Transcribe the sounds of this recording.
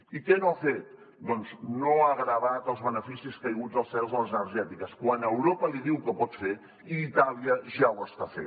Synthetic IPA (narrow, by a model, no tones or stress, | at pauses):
ikɛnoafet̪̚ | d̪ɔnznoaɣɾəβat̪əlˠzβənəfisiskajɣuzdəlˠsɛlˠzðələzənəɾʒɛt̪ikəskwanəwɾopəliðiwkəpɔt̪fe | iːt̪aliəʒawəst̪afḛ